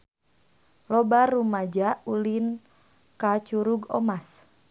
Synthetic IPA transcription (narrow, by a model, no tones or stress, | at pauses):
lɔbarumad͡ʒaulin | kat͡ʃuɾuɡɔ̰mas